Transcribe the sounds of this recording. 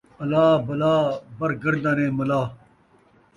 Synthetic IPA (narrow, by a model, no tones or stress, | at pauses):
ɐlaːbɐlaːbɐɾɡɐɾd̪aːnẽːmɐlaː